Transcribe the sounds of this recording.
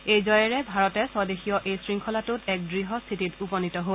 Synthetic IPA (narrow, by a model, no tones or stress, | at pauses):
ejzɔjɛɹɛbʱaɹɔtɛsɔdexijɔʔejsɹiŋkʰɔlatutɛk̚dɹiɦɔst̪ʰititupɔnitɔɦo